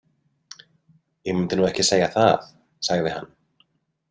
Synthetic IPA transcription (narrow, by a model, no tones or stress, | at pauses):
jɛmɪnt̪ɪnuːɛhcɪseːjaθa̰ð | saɣðɪha̰nː